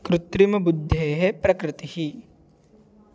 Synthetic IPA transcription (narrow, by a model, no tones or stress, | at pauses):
kɾʊt̪ɾimɐbud̪ʱːeɦepɾɐkɾɪt̪ihi